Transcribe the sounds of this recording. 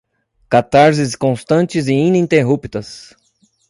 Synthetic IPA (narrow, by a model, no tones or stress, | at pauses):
kat̪aɾzɪskõst̪ɐ̃nt͡ʃɪzɪĩnĩnt̪eɦupt̪ɐs